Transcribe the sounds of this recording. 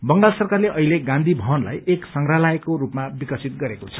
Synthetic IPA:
bʌŋɡalsʌrkarleʔʌɦileɡãnd̪ʱibʱʌɦʌnla̰jeksʌŋɡralaekorupmabikʌsʰit̪̚ɡʌɾekot͡sʰʌ̥

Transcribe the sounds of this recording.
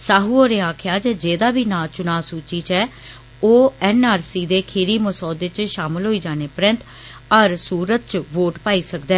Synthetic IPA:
saːɦuːoːɾeːaːkʰjaːd͡ʒeːd͡ʒeːd̪aːbiːnaːt͡ʃʊnaːsuːt͡ʃiːt͡ʃɛː | oːɛːnaːɾsiːd̪eːkʰɪːɾiːməsɔːd̪ɪt͡ʃʃaːmɪlɦoːiːd͡ʒaːneːpəɾə̃nt̪ | əɾsuːɾət̪̚t͡ʃʋoːʈpaːiːsəkd̪ɛ̃ː

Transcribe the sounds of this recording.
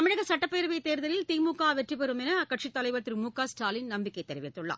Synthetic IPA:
ɐmɪɻɐɣɐsɐʈːɐpːeːɾɯʋɐjt̪eːɾðɐlɪlt̪iːmuːkːaːʋɛʈrip̬ːɛɾɯmɛnɐɐkːɐʈʂit̪ːɐlɐɪʋɐt̪ːɯɾmuːkːaːsʈaːlɪnnɐmbɪkːɐɪt̪ːɛɾɪʋɪt̪ːɯɭːa̰

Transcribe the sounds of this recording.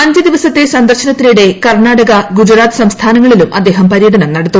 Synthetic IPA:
ɐɲd͡ʑɨd̪iʋɐsɐt̪ːe̞sɐnd̪ɐrɕɐnɐt̪ːiljuɽe̞kɐrɳaːɽɐɣɐɡud͡ʑuɾaːt̪ɨ̥sɐmst̪ʰaːnɐŋːɐɭilumɐ̰d̪ːe̞ːɦɐmpɐɾijɐd̪ʱɐnɐmnɐɽɐt̪ːu

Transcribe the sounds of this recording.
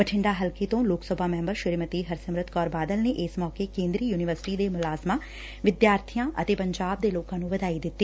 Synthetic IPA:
bəʈʰɪ̃ɳɖaːɦɐlket̪õloːksəbʱaːmɛ̃ːmbəɾʃɪɾmət̪iɦɐɾsəmɾət̪kɔːɾbaːd̪əlneʔɪsmɔːkekẽːnd̪ɾiːjuːnɪʋəɾsɪ̥ʈid̪emʊlaːsmãː | ʋɪd̪jaːɾt̪ʰijãʔɐ̰t̪eːpɐ̃ɲd͡ʒaːb̚d̪eloːkãːnũʋəd̪aːid̪ɪt̪ːeː

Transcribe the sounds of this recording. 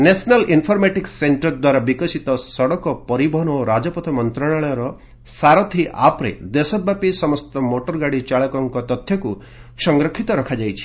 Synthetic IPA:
nesnalinpʰɔɾmeʈikseɳʈɔɾd̪waɾabikɔsit̪ɔsɔɽɔkɔpɔɾibɔɦɔnoɾad͡ʒɔpɔt̪ʰɔmɔnt̪ɾaɭaɭɔjɔɾɔ | saɾɔt̪ʰiʔa̰pɾḛd̪esɔbːapisɔmɔst̪ɔmoʈɔɾɡaɽit͡ʃaɭɔkɔŋkɔt̪ɔt̪ʰjɔku | sɔŋɡɾɔkʰit̪ɔɾɔkʰad͡ʒajt͡ʃʰi̥

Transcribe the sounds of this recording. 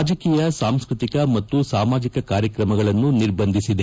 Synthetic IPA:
d͡ʒɐkiːjɐsaːmskɾut̪ikɐmɐt̪ːusaːmaːd͡ʒikɐkaːɾjɐkɾɐmɐɡɐɭɐnːuniɾbɐnd̪ʱisid̪e

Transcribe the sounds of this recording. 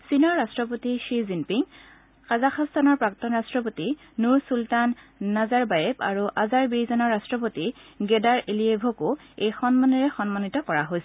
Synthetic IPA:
sinɔɹːastɹɔpotiʃizinpiŋ | kazaxʰastʰanɔɹpɹak̚tɔnɹastɹɔp̬oti | nuɹsultanː | azaɹbajepa̰ɹuʔazaɹbijzɔnɔɹastɹɔp̬otiɡɛdaɹeliebʱɔkʊ | ejxɔnmaniɹɛxɔnmanitɔkɔɹaɦojsɛ

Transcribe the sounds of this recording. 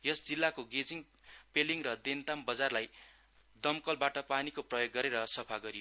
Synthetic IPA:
jʌsd͡zilːakoɡed͡ziŋ | peliŋrʌd̪ent̪ambʌd͡zarlaj | d̪ʌmkʌlbaʈʌpanikoprʌjoɡːʌɾeɾʌsʌpʰaɡʌɾio

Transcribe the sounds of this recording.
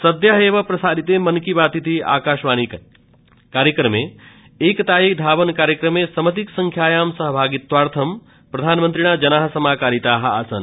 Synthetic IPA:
sɐd̪jaɦeːʋɐpɾɐsaːd̪ʱit̪emɐnkibaːt̪it̪ʰia̰ːkaːʃʋaːni | kaːɾjəkɾɐmeː | eːkt̪aːjikd̪ʱaːʋɐnkaːɾjəkɾɐmesɐmɐt̪̬iksɐŋkʰjaːjaːmsɐɦɐbʱaːɡit̪ʋaːɾt̪ʰɐm | pɾɐd̪ʱaːnmənt̪ɾiɳ̃aːd͡ʒɐnaːɦɐsɐmaːkaːɾit̪aːɦɐɐsɐ̰n

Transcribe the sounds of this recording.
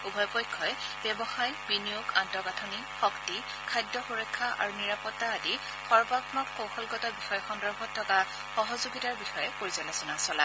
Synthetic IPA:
ubʱɔjpɔjkʰːɔb̥ɛbɔxajbinijoɡantɔɡatʰɔni | xɔkti | kʰajdɔxuɹɛkʰːaʔa̰ɹuniɹapɔtːaːdi | xɔɹbakmɔkkowxɔlɡɔtɔbixɔjɔxɔndɔɹbʱɔtʰːɔka | xɔɦɔzuɡitaɹbixɔjɛkoɹizɔlɛsɔnasɔla

